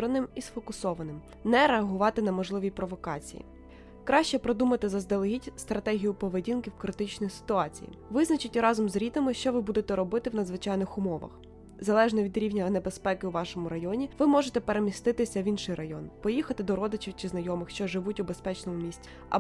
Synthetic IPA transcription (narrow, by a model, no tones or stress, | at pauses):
ɾɐnɪmisfɔkʊsɔʋɐnɪm | nɛɾeɐɦʊʋɑt̪ɪnɐmɔʒlˠɪʋʲipɾɔʋɔkɑt͡sʲḭjḭ | kɾɑʃt͡ʃɛpɾɔd̪umɐt̪ɪzɐzd̪elˠɐɦʲitʲst̪ɾɐt̪ɛɦʲijʊpɔʋedʲinkʲiwkɾɪt̪ɪt͡ʃnɔjisɪ̥t̪ʊɑt͡sʲḭjḭʋɪznɐt͡ʃɪtʲɾɑzɔmzɾʲit̪ɐmɪʃt͡ʃɔʋɪbud̪et̪ɛɾɔbɪt̪ɪwnɐd̪zʋɪt͡ʃɑjnɪxʊmɔʋɐ̰x | zɐlˠɛʒnɔʋʲid̪ɾʲiwnʲɐnebespɛkɪwʋɑʃɔmʊɾɐjɔnʲiʋɪmɔʒet̪ɛpeɾemʲist̪ɪt̪ɪsʲɐʋʲinʃɪjrʔɐjɔnpɔjixɐt̪ɪd̪ɔɾɔd̪ɪt͡ʃiwt͡ʃɪznɐjɔmɪxʃt͡ʃɔʒɪʋutʲubespɛt͡ʃnɔmʊmʲisʲtʲi̥ | ɐ̰